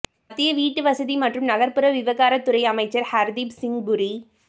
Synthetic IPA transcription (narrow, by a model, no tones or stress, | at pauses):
ɐt̪ːɪjɐʋiːʈːɯʋɐsɐðimɐʈrɯmnɐɣɐɾpɯɾɐʋɪʋɐɣaːɾɐt̪ːʊɾɐɪɐmɐɪt͡ʃːɐɾhɐɾd̪ibsɪŋbʊɾi